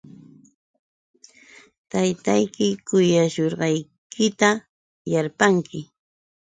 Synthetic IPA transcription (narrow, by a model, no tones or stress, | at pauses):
t̪ajt̪ajkɪkʊjaʃoɾɢɑj | kʰɪt̪a | jaɾpaŋkʰɪ